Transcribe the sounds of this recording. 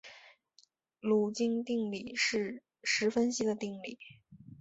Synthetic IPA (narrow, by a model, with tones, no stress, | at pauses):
lu˨˩t͡ɕi˥˧ŋt̪i˥˧ŋli˥˩ʂɻ̩˥˩ | ʂɻ̩˧˥fə˥nɕi˧˥d̪ə˨t̪i˥˧ŋli˥˩